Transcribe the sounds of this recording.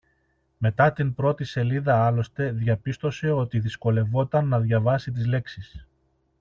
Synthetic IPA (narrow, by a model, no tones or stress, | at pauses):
me̞t̪ɐt̪impɾo̞t̪ise̞liðɐɐlo̞st̪e̞ðʝɐpist̪o̞se̞o̞t̪iðisko̞le̞vo̞t̪ɐnːɐðʝɐvɐsit̪̬izle̞ksis